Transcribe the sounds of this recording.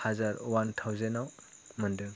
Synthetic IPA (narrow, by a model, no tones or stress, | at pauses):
hazaɾwantʰawzenaw | mɐndɯ